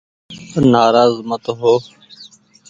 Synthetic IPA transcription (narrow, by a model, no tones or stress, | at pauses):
naːɾaːzmət̪ɦoː